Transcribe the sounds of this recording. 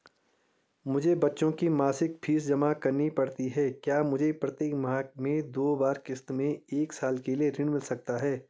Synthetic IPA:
mʊd͡ʒʱebɐtːʃõkimaːsɪk̚pʰiːs̬d͡ʒɐmakɐɾnipɐɽt̪iɦɛːkjaːmʊd͡ʒʱepɾɐt̪eːkmɐɦaːkmẽd̪oːbaːɾkɪst̪mẽeːksaːlkelieɾɪ̃ɽmɪlsɐk̚t̪aɦɛː

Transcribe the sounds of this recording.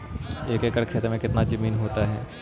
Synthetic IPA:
eːkeːkəɽkʰeːt̪ɾmẽkɪt̪nad͡ʒɐmiːnɦoːt̪aɦɛ̰ː

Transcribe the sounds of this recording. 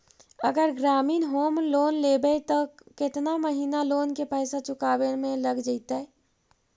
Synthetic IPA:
əɡəɾɡɾaminɦomlonlebɛt̪əket̪naməɦinalonkepəjsat͡ʃukabenmeləɡd͡ʒəɪt̪ə

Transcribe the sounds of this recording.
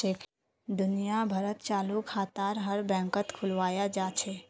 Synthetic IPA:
ek | d̪ʊnijabʱɐɾət̪t͡ʃaːlukʰaːt̪aːɾɦəɾbɛ̃ːŋkət̪kʰʊlʋaːjad͡ʒaːt͡ʃʰɛː

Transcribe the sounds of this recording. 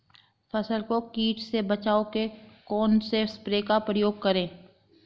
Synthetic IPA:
fɐsəlkokiːʈsebɐt͡ʃaːokekɔːnsespɾeːkapɾəjoːɡ̚kɐɾẽː

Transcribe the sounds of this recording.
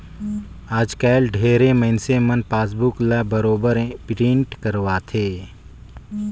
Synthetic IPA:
aːd͡ʒkɛːlɖʱeːɾeməɦɪnsemənpaːs̬bʊklabəɾoːbəɾpɾĩːɳʈkəɾwaːt̪ʰeː

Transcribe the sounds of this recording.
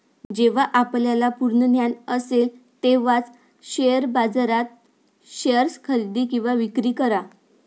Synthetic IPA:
d͡ʑeʋaʔapljalapuɾɳənjanəsel | t̪eʋat͡s | ɕejəɾbad͡zɾat̪̚ | ɕejəɾskʰəɾid̪iːkĩw̃ʋaʋikɾiːkəɾa

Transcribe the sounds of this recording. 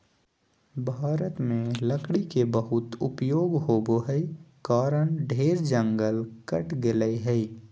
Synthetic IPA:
bʱaːɾət̪mẽləkɽikebəɦʊt̪ʊpjoːɡɦoːboɦɛikaːɾəɳ̃ɖʱeːɾd͡ʒə̃ŋɡəlkəʈʰɡɪləiɦɛi

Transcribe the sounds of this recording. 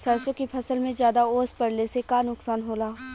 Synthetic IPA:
sɐɾsəkipʰɐsəlmẽzjaːd̪aoːspɐɽlesekaːnʊksaːnɦoːlaːɦ

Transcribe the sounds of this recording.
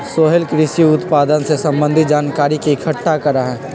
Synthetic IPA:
soːɦəlkɾɪsiʊt̪paːd̪ənsesɐ̃mbə̃nd̪ʱɪt̪̚d͡ʒaːnkaːɾikikʰəʈːakɐɾaɦɛ̃ː

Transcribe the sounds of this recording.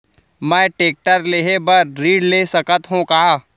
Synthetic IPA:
mɛ̃ʈeːk̚ʈəɾleːɦebəɾɾiːɖleːsɐkət̪ɦõkaː

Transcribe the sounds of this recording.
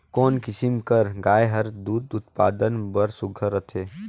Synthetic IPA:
kɔːnkɪsimkəɾɡaːeɦɐɾd̪uːd̪ʊt̪paːd̪ənbəɾsʊɡʱəɾət̪ʰeː

